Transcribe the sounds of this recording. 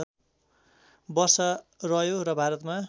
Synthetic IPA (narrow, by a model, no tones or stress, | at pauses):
bʌrsʌrʌjoɾʌbʱaɾʌt̪ma